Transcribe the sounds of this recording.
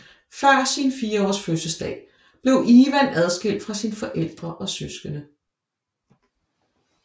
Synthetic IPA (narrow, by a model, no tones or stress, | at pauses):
fɶɐ̰sinfiːɐɒ̰ːsføsəlsd̥ɛ̰ːɪ | b̥le̝ʊʔiːʋæn̰æð̞ˠsɡ̥el̰d̥fʁɑ̈sinfɒ̽ʔel̰d̥ʁɐʔɒ̽søsɡ̥ənə